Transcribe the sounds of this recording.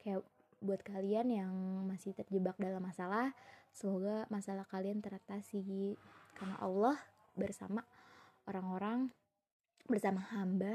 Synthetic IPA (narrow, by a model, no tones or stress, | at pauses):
kajaʔ | buat̪̚kalianjaŋmasɪht̪ərd͡ʒəbak̚dalamːasalahsəmoɡamasalahkaliant̪əɾat̪asiɡikarna̰ʔa̰lːɔh | bərsa̰maoɾaŋoɾaŋ | bərsamahamba